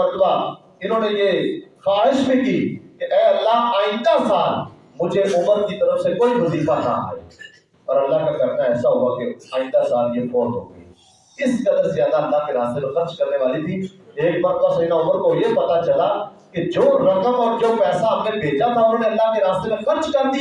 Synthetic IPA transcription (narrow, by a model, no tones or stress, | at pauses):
əɾt̪baː | ɪnãːneːʔeːxaːɪʃbʱĩːkiːkɪɛːəlːaːɦaːĩnd̪aːsaːl | mʊd͡ʒeːʔʊməɾkiːt̪əɾəfsekoːiːməsiːkaːnã̰ːɦɛ̰ | pəɾəlːaːkakəɾnaːɛːsaːɦoːaːkɪãːĩːnd̪aːsaːlikoːɾɦo̰ːɡeiː | ɪskəd̪əɾsaəld̪aːəlːaːkeːɾaːst̪eːnũːkəɾt͡ʃkəɾneːʋaːliːt̪ʰiːeːk̚bəɾt̪aːsəinãːʊməɾk̪oɦoiepət̪aːt͡ʃəlaː | ked͡ʒoːɾəkəmɔːɾd͡ʒoːpɛːsaːmnẽːbʱeːd͡ʒaːt̪ʰaːʊnãːneːəlːaːkeːɾaːst̪eːnũːkəɾd͡ʒkəɾd̪i